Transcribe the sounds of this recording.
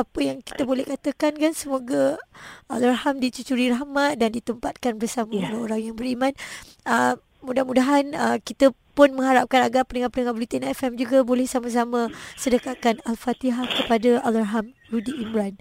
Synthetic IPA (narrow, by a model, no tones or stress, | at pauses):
apəjaŋki̥t̪əbolɛhkat̪əkankansəmoɡaʔalaɾhamdit͡ʃut͡ʃuɾiɾahmat̪̚dandit̪əmpat̪̚kanbərsamaoɾaoɾaŋjaŋbəɾimãn | ə | mudahmudaɦanəkit̪əpʊnmə̃ŋhaɾap̚kanaɡaʔpənəŋãpənəŋabulit̪enaɛfɛmd͡ʒuɡabolɛhsamãs̬amə̃sədəkat̚kanalfat̪iɦahkəpadaalarɦam | rudiʔːmɾan